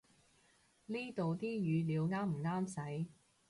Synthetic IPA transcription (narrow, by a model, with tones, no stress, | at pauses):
liː˥t̪o˨wt̪iː˥jyː˨˧liː˨˧wŋaː˥m̩˨˩ŋaː˥msɐ˨˥j